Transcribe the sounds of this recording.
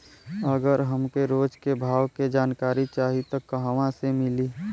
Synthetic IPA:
əɡəɾɦəmkeɾoːd͡ʒkebʱaːwked͡ʒaːnkaːɾit͡ʃaːɦit̪okːəɦəʋãsemɪliː

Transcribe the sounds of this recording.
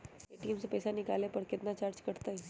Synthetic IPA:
eʈiːmsepɛːsanɪkaːlepɐɾkɪt̪nat͡ʃaːɾd͡ʒkɐɽt̪aɦɛː

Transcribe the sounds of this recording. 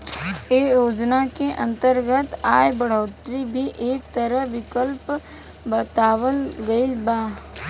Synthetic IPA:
eːjoːd͡ʒnakeʔɐ̃nt̪əɾɡət̪aːjbɐɽ̤oːt̪ɾibʱiʔeːk̚t̪əɾəɦʋɪkəlp | bət̪aːwəlɡɐilbaː

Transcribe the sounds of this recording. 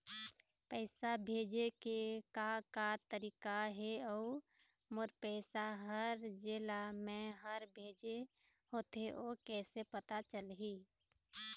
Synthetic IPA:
pəɪsabʱeːd͡ʒekekakat̪əɾiːkaɦeɔu | mʊɾpɛːsaɦəɾd͡ʒelamẽɦəɾbʱeːd͡ʒeɦoːt̪eʔoːkɛːsepət̪at͡ʃəlɦiː

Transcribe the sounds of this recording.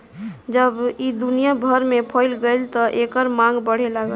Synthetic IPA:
d͡ʒəbid̪unijabʱəɾmepʰəɪlɡəlt̪ɔʔekəɾmãŋɡbəɽ̤elaɡə

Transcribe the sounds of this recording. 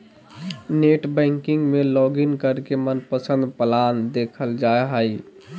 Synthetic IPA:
neːʈbɛ̃ːŋkɪ̃ŋɡmẽlɔːɡɪnkəɾkemənpəsə̃nd̪pəlaːnd̪eːkʰəld͡ʒaːeɦəi

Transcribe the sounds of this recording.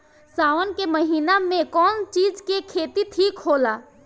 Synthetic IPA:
saːʋənkeməɦinamẽkɔnt͡ʃiːd͡ʒkekʰet̪it̪ʰiːkɦola

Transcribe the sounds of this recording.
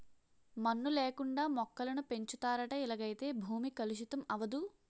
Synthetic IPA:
mɐnːuleːkuɳɖaːmɔkːɐlɐnupe̞ɲt͡ʃut̪aːɾɐʈɐilɐɡɐjt̪e̞ːbʱuːmikɐluʃ̬ut̪ɐmɐʋɐd̪u

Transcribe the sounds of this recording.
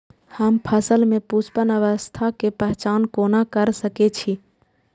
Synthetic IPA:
həmpʰəsəlmẽput͡ʃpənəʋəst̪ʰakepɛɦt͡ʃaːnkoːnakəɾsəket͡ʃʰi

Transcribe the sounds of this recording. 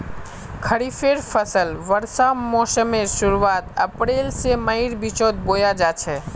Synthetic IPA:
kʰəɾipʰeɾpʰəsəlʋəɾsamɔsəmeɾsuɾuat̪əpɾelseməiɾbit͡ʃot̪̚bojad͡ʒat͡ʃʰɛ

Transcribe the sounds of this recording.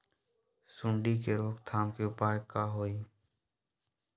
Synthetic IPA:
sʊ̃ɳɖikeɾoːkt̪ʰaːmkiʊpaːjkːaːɦoːiː

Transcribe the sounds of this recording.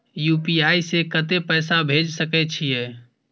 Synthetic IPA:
juːpiaisekət̪epəːsabʱed͡ʒsəkɛt͡ʃʰijɛ

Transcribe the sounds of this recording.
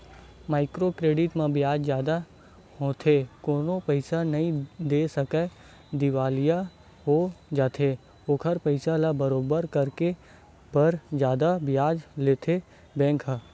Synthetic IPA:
maːɪkɾokɾeːɖɪʈmãbjaːd͡ʒzjaːd̪a | ɦoːt̪ʰekoːnopəɪsanɐɦĩd̪eːsɐkɛ | d̪ɪʋaːlija | ɦod͡ʒaːt̪ʰe | oːkʰəɾpəɪsalabɐɾoːbəɾkɐɾke | bəɾd͡ʒjaːd̪abɪjaːd͡ʒleːt̪ʰe | bɛ̃ːŋkʰɦ

